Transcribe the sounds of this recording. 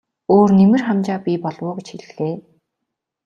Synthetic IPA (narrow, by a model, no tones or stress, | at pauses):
oːrnemɘ̆rχamt͡ɕaːpʲipɔɮwʊːɡet͡ɕxeɮɘ̆xeː